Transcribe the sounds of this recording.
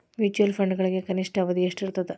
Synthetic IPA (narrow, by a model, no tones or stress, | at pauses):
ʋit͡ʃuɐlpʰɐɳɖɡɐɭiɡe̞kɐniʂʈʰɐːʋɐd̪ieʂʈiɾt̪ɐd̪e